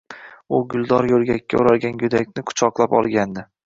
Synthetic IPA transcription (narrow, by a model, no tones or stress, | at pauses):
ʊɡʲʊlˠd̪ɒɾjɵlɡʲakʲːa̰ʊɾalɡʲanjʊd̪akʲnɪkʰʊ̥t͡ʃʰɒqlˠapɒ̰lˠɡʲand̪ɪ